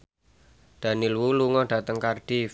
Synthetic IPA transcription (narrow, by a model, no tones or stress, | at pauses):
d̪̥a̤nilwuluŋɔɖ̥a̤t̪əŋkarɖ̥i